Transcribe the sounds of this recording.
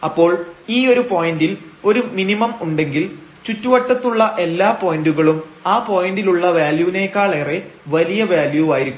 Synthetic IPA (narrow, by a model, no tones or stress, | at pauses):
ɐpːo̞ːɭiːo̞ɾupo̞ːjindilo̞ɾuminimɐmuɳɖe̞ŋɡilt͡ɕutːuʋɐʈːɐt̪ːuɭːɐʔe̞lːaːpo̞jinduɣɐɭumaːpo̞jɐndiluɭːɐʋaːljuʋine̞ːkːaːɭereʋɐlijɐʋaːljuaːjiɾikːm